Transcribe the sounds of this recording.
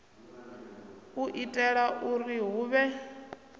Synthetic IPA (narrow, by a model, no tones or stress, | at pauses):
uʔitʼɛɺaʔuriɦuːβɛ